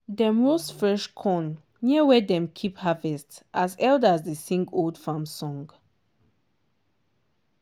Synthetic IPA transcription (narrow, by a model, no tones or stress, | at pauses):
dɛmostfɹɛʃkʰɔ̃n | niwɛdɛ̃mkʰiphavɛstʔazɛldazdesĩŋɡoldfãmsɔ̃ŋɡ